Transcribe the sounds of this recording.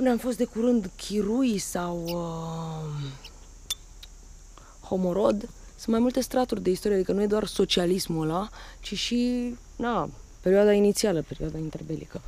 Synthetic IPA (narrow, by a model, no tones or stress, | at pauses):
pɨneamfo̞st̪̚d̪ekuɾɨnd̪kʲʰiɾujsawə | ho̞mo̞ɾo̞d̪ | sɨnt̪majmult̪e̞st̪ɾat̪urʲd̪e̞ist̪oɾiead̪ikənuje̞d̪oarso̞t͡ʃialismuəlat͡ʃiʃi | nape̞ɾioad̪ainit̪sialəpe̞ɾḭad̪aint̪erbe̞lḭkə